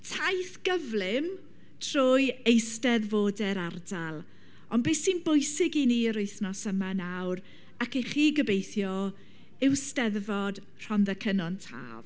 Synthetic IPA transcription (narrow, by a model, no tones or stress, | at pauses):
tʰajθɡ̥əvlˠɪm | tʰr̥oːjejstɛðvoːdɛɾardalˠ | ɔnbeːsinbʊjsɪɡiniːəɾʊɨθnɔsəmanawɾ | akɛχiːɡəbejθjɔ | ɪwstɛðvɔd̥ | r̥ɔnðəkʰənɔntʰa̰ːv